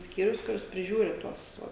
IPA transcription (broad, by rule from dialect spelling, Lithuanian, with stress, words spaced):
ˈsʲkʲiːrʲʊs kʊˈrʲɪs pʲrʲɪˈʒʲuːrʲɪ ˈtuɔs ˈʋoː